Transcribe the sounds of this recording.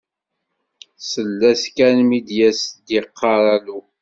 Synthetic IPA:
səlːæskænmid̪jæsd̪iqʰːɑɾˤɑlu

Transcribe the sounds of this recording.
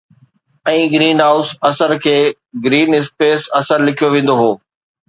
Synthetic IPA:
ɛ̃ːɡɾiːnɦaːʊsɐsəɾkʰeː | ɡɾiːnɪspeːsɐsəɾlɪkʰijoʋẽːn̆d̪oɦoː

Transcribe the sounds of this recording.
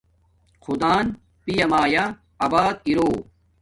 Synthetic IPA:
kʰud̪aːn | pijɐmaːja | ɐbaːd̪̚iɾoː

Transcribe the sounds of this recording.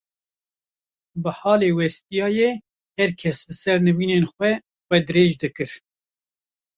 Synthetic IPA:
bɨhɑːleːwɛst̪ijɑːje | hɛɾkʰɛslɨsɛɾnɨviːnenxwɛ | wʷɛd̪ɨɾeːʒd̪ɨkɨɾ

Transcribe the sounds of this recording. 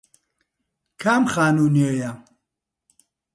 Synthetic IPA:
kʰamχaːnuniɔja

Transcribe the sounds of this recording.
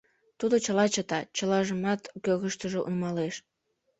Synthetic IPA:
t̪ud̪ot͡ɕəlɑt͡ɕət̪ɑt͡ɕəlɑʒəmɑt̪køɣəʃt̪əʒoʔṵnmɑleʃ

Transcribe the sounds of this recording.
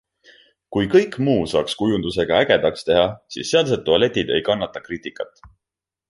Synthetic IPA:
kujkɤ̞jkːˑmuːsɑ̰ːkskujund̪use̞ɡ̥ɑæɡ̥e̞d̪̥ɑkst̪e̞ɦɑsḭːsːeɑld̪set̪ːuɑle̞t̪ʲːˑid̪e̞̰jkɑnːɑt̪ːˑɑkriːt̪ˑikːˑɑt̪ːˑ

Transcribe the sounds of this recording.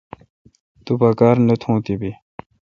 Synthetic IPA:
t̪upɐkaːɾnut̪ʰũːt̪ibi

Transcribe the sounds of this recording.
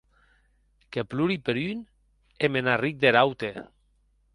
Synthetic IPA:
kepluɾipeɾyn | emenarik̚d̪eɾawt̪e

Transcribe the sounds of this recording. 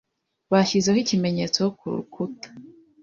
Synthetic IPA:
βaʃizehicime̞ɲe̞t͡sokʰuɾṵkʰutḁ

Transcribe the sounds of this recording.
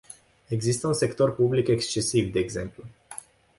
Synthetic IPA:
e̞ɡzist̪əunse̞kt̪o̞rpublike̞kst͡ʃe̞sivd̪e̞ːɡze̞mplu

